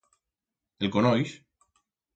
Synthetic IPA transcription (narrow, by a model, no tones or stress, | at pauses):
elkonɔjs